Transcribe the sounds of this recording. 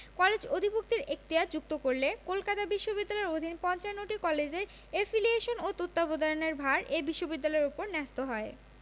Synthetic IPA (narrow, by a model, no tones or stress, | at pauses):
kɔled͡ʑod̪ʱibuk̚t̪iɾek̚t̪iad͡ʑuk̚t̪okoɾlekolkat̪abiʃːobid̪ːalɔeɾod̪ʱinpɔnt͡ɕaenoʈikɔled͡ʑeɾ | efilieʃonot̪ot̪ːabod̪aɾoneɾbʱaɾʔebiʃːobid̪ːalɔeɾupoɾnɛst̪oɦɔe